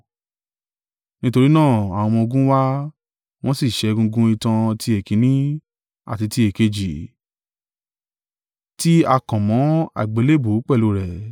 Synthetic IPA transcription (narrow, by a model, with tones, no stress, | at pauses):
nĩ˦to˧ɾi˦nãː˦˨a˨w̃ɔ̃˧mɔ̃˧o˧ɡũ˦wa˦ | w̃ɔ̃˦si˦˨ʃɛ˨˧˦ɡũ˧ɡũ˦i˧tã˧tʰi˧e˨kĩ˨˦nĩ˦ | a̰˨ti˧ti˧e˨ke˧d͡ʒi˨ | ti˦a˧kã˨mɔ̃˨˦a̰˨ɡ͡be˨˦le˦˨bo˨˦k͡pɛ˦˨lo˧˦ɾɛ˨